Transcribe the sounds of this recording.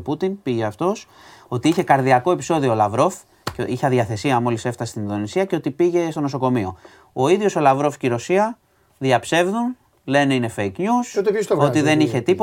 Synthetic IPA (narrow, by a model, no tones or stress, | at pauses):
put̪inpiʝeɐft̪o̞s | o̞t̪iiçe̞kɐɾðiɐko̞e̞piso̞ðiolɐvɾo̞f | ciçɐðʝiɐθe̞siɐmo̞lise̞ft̪ɐsest̪ininðo̞nisiɐce̞o̞t̪ipiʝe̞st̪ono̞so̞ko̞mio̞̰ | o̞iðʝo̞solɐvɾo̞fciɾo̞siɐ | ðiɐpse̞vðun | le̞ne̞ine̞feikɲusot̪epist̪oooiðe̞niçe̞t̪ipo